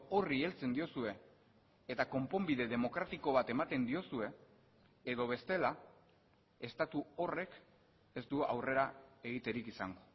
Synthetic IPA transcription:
o̞rie̞lt͡se̞nd̪io̞sue̞ː | t̪ako̞mpo̞mbið̞e̞ð̞e̞mo̞kɾat̪iko̞β̞at̪e̞mat̪e̞nd̪io̞sue̞ː | ðo̞β̞e̞st̪e̞la | e̞st̪at̪uo̞re̞k | e̞zd̪ua̰wre̞ɾae̞ɣit̪e̞ɾikisaŋɡo

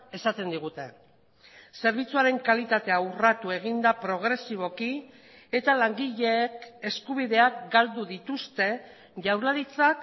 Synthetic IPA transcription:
e̞sat̪e̞nd̪iɣ̞ut̪e̞ | se̞ɾβ̞it͡suaɾe̞ŋkalit̪at̪e̞aurat̪ue̞ɣ̞ind̪apɾo̞ɣ̞ɾe̞siβ̞o̞ki | e̞t̪alaŋɡiʎe̞ke̞skuβ̞iðe̞akɡald̪uðit̪ust̪e̞ | ʝawɾlaɾit͡sak

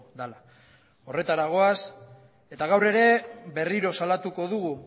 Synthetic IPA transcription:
d̪ala | o̞re̞t̪aɾaɣ̞o̞as | e̞t̪aɣawre̞ɾe̞be̞riɾo̞salat̪uko̞ðuɣu

